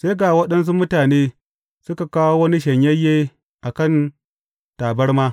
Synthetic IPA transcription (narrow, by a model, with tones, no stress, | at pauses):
seː˦ɡaː˨wɐ˦ɗɐ˦ns̬u˦mʊ˦taː˨neː˦ | sʊ˦ka˨kaː˦wo˦wɐ˦ni˦ʃɐ˨ɲjɐ˦jːeː˦ | ʔa˨kɐ˦˨n | taː˨bɐ˦rmaː˦